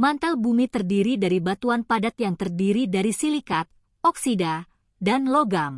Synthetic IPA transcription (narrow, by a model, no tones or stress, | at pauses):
mant̪albumit̪ərdiɾidaɾibat̪uanpadat̪̚jaŋt̪ərdiɾidaɾisilikat̪̚ | ɔksida | danloɡam